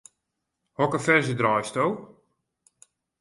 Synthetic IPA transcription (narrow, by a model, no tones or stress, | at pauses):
hɔkəfɛrzədrɔjstow